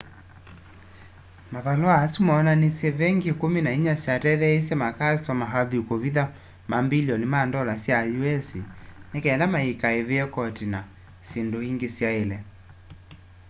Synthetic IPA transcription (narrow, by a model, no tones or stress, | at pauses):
makalwaːsumaɔnanisjɛβɛŋɡikuminaiɲasjatɛðɛisjɛmakasɔmaɦaðuukuβiða | mambilɔnimandɔlasjajuɛsinɛkɛːndamaikaeβiɛkɔtina | sinduhiŋɡisjaelɛ